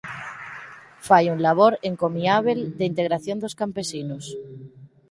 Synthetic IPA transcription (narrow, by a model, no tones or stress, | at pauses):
fajunlaβ̞o̞ɾe̞ŋko̞miaβ̞eld̪eint̪e̞ɣɾaθjo̞nd̪o̞skampe̞sinos